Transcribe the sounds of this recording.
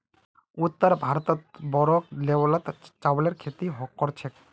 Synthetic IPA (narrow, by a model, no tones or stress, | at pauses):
ut̪ːəɾbʱaɾt̪ɔt̪bɔɾɔklewlat̪t͡ʃawleɾkʰet̪iɦɔkːɔɾt͡ʃʰek